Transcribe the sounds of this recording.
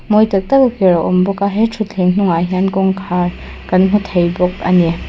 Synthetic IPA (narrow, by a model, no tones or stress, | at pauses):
mojtɐk̚tɐɡɐkeɾaʔɔmbɔkaɦetʰutʰeŋnuŋajɦankɔŋkʰaɾ | kɐnmutʰɐjbɔk̚ɐ̰ne